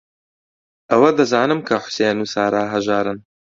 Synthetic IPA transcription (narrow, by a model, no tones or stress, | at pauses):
ʔɐwɐd̪ɐzaːnɨmkʰɐħʊ̥seːnuːsaːɾaːɦɐʒaːɾɨn